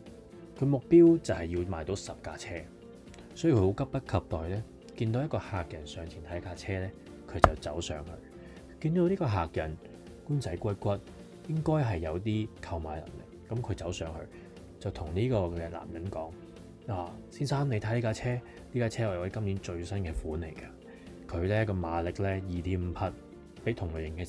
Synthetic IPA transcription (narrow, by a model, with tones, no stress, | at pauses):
kʰɵ˨˧ɥmʊ˨k̚piː˥wt͡sɐ˨˩hɐ˨˩jːiː˧wmaː˨jt̪o˨˥wsɐ˨p̚kaː˧t͡sʰɛː˥ | sɔː˨˥jːkʰho˨˧˥kɐ˥p̚pɐ˥t̚kʰɐ˧p̚t̪ɔː˨˩jlɛː˥ | kiː˧nt̪o˨˧wjɐ˥kɔː˧haː˨k̚jɐ˨˩nsœː˨˧ŋt͡sʰiː˨˩nt̪ʰɐ˨˥kaː˧t͡sʰɛː˥lɛː˥ | kʰɵ˨˧ɥt͡sɐ˨wt͡sɐ̰˨˥wsœː˨˥ŋhɵ̰˧ɥ | kiː˧nt̪o˨˦wniː˥kɔː˧ɦaː˨k̚jɐ̰˨˩n | kuː˥nt͡sɐ˨˥jkʷɐ˥t̚kʷɐ˥t̚ | jɪ˥ŋkɔː˥jɦɐ˨jːɐ˨˧wt̪̬iː˥kʰɐ˧wmaː˨˧jlɐ̰˨˩mlɪ̰˨k̚ːɐ˨˥mkʰɵ˨˧ɥt͡sɐ˨˥wsœː˨˧ŋhɵ̰˧ | t͡sɐ˨wt̪ʰʊ˨˩ŋniː˥kɔː˧kɛː˧la̰ː˨˩mjɐ˨˥nkɔ̰ː˨˥ŋ | aː˨˩siː˥nsaː˥mnle˨˧t̪ʰaː˨˧˥liː˥kaː˧t͡sʰɛː˥ | liː˥kaː˧˥t͡sʰɛː˥ɔː˨˧jkɐ˥mliː˨˥nt͡ʃɵ˧ɥsɐ˥nkɛː˧fuː˨˥nle˨˩jkɐ˧ | kʰɵ˨˧ɥlɛː˥kɔː˧maː˨˧lɪ˨k̚lɛː˥jiː˨t̪ʰiː˨˥m̩˨˧pʰɐ˧t̚ | pe˨˥t̪ʰʊ˨˩ŋlɥjɪ˨˩ŋkɛː˧